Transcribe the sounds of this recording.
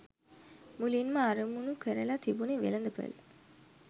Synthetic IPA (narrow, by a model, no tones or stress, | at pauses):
mulinmɐɐɾumunukəɾəlat̪ibuniʋḛlɐnd̪ɐpə̰l